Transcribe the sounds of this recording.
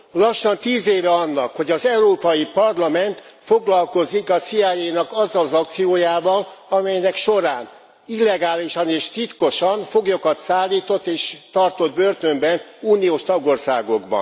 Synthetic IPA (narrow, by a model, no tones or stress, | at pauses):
lɒʃːɒnt̪iːzeːvɛɒnːɒkho̞ɟɒzɛuɾoːpɒjipɒrlɒmɛnt̪fo̞ɡlɒlko̞zikɒsiaːjeːjnɒkɒzːɒlzɒk̚t̪sijoːjaːvɒlɒmɛjnɛkʃoɾaːn | ilːɛɡaːliʃɒneːʃt̪it̪ko̞ʃɒɱfo̞ɡjokɒt̪saːlːiːt̪o̞t̪ːeːʃt̪ɒrt̪o̞d̪̚børt̪ø̞mbɛnuːnijoːʃt̪ɒɡo̞rsa̰ːɡo̞ɡbɒ̰n